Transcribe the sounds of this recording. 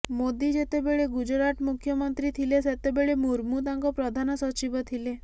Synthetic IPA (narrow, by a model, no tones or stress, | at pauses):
mod̪id͡ʒet̪ebeɭeɡud͡ʒɾaʈmukʰjɔmɔnt̪ɾit̪ʰileset̪ebeɭemuɾmut̪aŋkɔpɾɔd̪ʱanɔsɔt͡ʃibɔt̪ʰile